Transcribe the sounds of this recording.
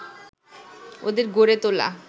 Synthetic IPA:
o̰d̪eɾɡoɾet̪ola̰

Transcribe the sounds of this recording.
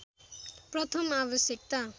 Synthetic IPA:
pɾɔt̪ʰɔmabɔsjekt̪a

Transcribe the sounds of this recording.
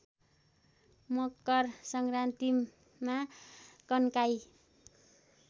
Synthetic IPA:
mʌkːʌrsʌŋrant̪i | makʌnkaj

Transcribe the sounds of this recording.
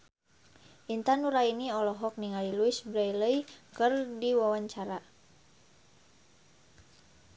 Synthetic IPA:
ʔint̪anuɾainiɔlɔɦɔk̚niŋaliluisbɾajləjkərdiwawaɲt͡ʃaɾa

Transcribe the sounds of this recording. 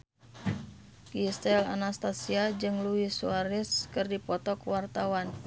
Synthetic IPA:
kist̪ɛla̰nast̪asiad͡ʒɨŋluisuaɾiskɨrdipɔt̪ɔkwart̪awan

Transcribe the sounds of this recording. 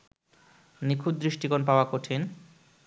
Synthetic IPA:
nikʰud̪̚d̪ɾiʃʈikonp̬aoakoʈʰin

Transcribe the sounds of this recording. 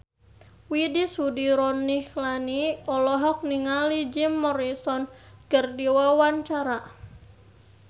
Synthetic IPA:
widisudiɾɔnːiklaniɔlɔɦɔk̚niŋalid͡ʒimːɔɾisɔnkərdiwawant͡ʃaɾa

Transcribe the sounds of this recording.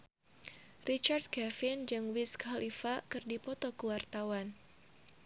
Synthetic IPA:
rit͡ʃart̪̚kɛfɪnd͡ʒɨŋwiskʰalʔifakɨrdipɔt̪ɔkəwart̪awan

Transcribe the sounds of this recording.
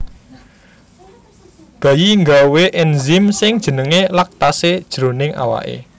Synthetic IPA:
ɡ̥ä̤jiŋɡaweʔɛnzimsɪŋd̥ʒ̥ə̤nəŋelak̚t̪ased̥ʒ̥ɾo̤nɪŋa̰wa̰ʔḛ

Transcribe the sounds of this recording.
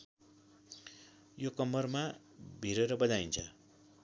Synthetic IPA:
jokʌmːʌrma | bʱiɾeɾʌbʌd͡zaint͡sʰʌ

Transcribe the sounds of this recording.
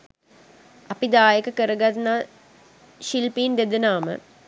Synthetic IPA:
ɐpid̪aːjəkəkəɾəɡat̪naː | ʃilpiːnd̪ed̪ənaːmə̰

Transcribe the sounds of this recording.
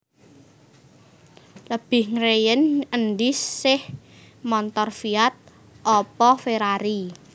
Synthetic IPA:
ləb̥ɪhŋɾejənənɖissɪh | mɔnt̪ɔrfiat̪̚ | ʔɔpɔfeɾaɾi

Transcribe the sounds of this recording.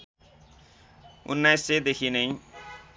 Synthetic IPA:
ṵnːajsːed̪ekʰinʌj

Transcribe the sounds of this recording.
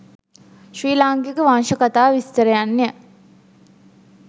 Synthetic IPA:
ʃɾiːlaŋkekəʋanʃəkat̪aːʋist̪əɾəjanːejə

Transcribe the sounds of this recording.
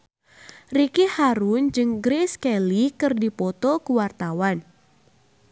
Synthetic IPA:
rikihaɾund͡ʒɨŋɡɾeskɛlikɨrdipɔt̪ɔkuwart̪awan

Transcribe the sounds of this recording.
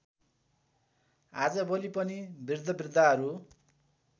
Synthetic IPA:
ad͡zʌbʌlipʌnibird̪ʱːʌbird̪ʱːaʌɾu

